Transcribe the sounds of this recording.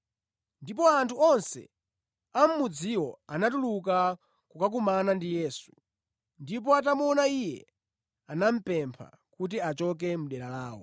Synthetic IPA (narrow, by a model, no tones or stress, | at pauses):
ndipɔantʰuɔnsɛ̰ | am̩mud͡ziwɔanatuluka | kukak̬umanandijɛːsu̥ | ndip̬ɔat̬amɔnaijɛ̰ | anam̩pɛmpʰa̰ | kut̬iat͡ʃɔk̬ɛmuɗɛɾalaːwɔ̰